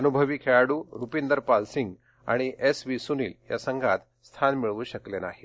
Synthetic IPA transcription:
ənubʱəʋikʰeɭaɽuːɾupind̪əɾpalsiŋɡ | a̰ɽ̃iesʋisuniːlja̰səŋɡʱat̪ | st̪ʰanmiɭuːɕəklena̰ɦi

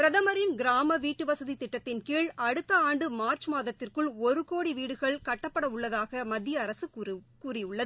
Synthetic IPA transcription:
pɪɾɐðɐmɐɾɪnɡɪɾaːmɐʋiːʈːɯʋɐsɐðit̪ɪʈːɐt̪ːɪnkiːɭɐɽɯt̪ːɐaːɳɖɯmaːɾt͡ʃmaːðɐt̪ːɪrkɯɭɔɾɯkoːɽiʋiːɽɯɣɐɭkɐʈːɐpːɐɽɐʊɭːɐðaːɣɐmɐd̪ːjɐːɾɐsɯkuːrɪɯɭːɐðɯ

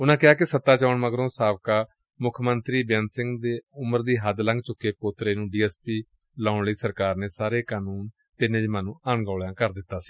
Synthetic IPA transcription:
ʊnãːkɪaːkɪsət̪ːaːt͡ʃaːʊɳməɡɾõːsaːʋkaː | mʊkʰmənt̪ɾiːbɛnsɪ̃ŋɡd̪eːʊməɾd̪iːɦəd̪lə̃ŋɡt͡ʃʊkːeːpoːt̪ɾeːnũːɖiːɛːspiː | laːʊɳliːsəɾkaːɾneːsaːɾeːkaːnuːn | t̪ɪnẽːd̪iːməːnũːʔaɳɡaːɭãːkəɾd̪ɪt̪ːaːsi̥ː

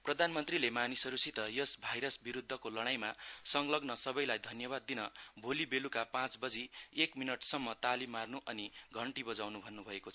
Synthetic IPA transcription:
prʌd̪ʱanmʌnt̪rilemanisʌɾusit̪ʌjʌsbʱajɾʌsbiɾud̪ʱːʌkolʌɽ̃ajmasʌŋlʌɡnʌsʌbʌjlajd̪ʱʌnjʌbad̪ːinʌbʱolibelukapãt͡sbʌd͡ziekminʌʈsʌmːʌt̪alimːarnuʔʌniɡʱʌɳʈibʌd͡zawnubʱʌnːubʱʌekot͡sʰʌ

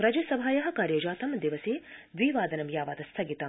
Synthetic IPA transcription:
ɾɐd͡ʒɐsɐbʱaːjɐɦɐ̆kaːɾjɐd͡ʒaːt̪ɐmd̪iʋɐsiːd̪ʋiːʋaːd̪ɐnɐmjaːʋaːd̪ɐst̪ʰɐɡit̪ɐm

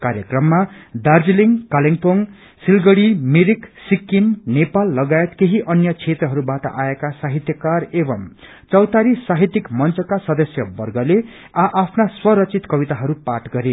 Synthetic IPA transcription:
kaɾjʌkrʌmːad̪ard͡ziliŋkaliŋpoŋ | silɡʌɽimiɾiksikːimnepalːʌɡaet̪keɦiʔʌnjʌt͡sʰet̪rʌɦʌɾubaʈʌ̰ʔaekasaɦit̪jʌkarebʌm | t͡sʌwt̪aɾisːaɦit̪ikmʌnt͡sʌkasʌd̪ʌsjʌbʌrɡʌle | aʔapʰnaswʌɾʌt͡sit̪kʌbit̪aɦʌɾupaʈɡʌɾe

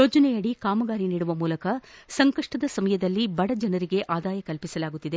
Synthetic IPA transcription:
joːd͡ʒɐnɛjɐɽikaːmɐɡaːɾiniːɽuʋɐmuːlɐkɐsɐŋkɐʂʈɐd̪ɐsɐmɐjɐd̪ɐlːibɐɽɐd͡ʒɐnɐɾiɡe̞ʔaːd̪aːjɐkɐlpisɐlaːɡut̪ːid̪e

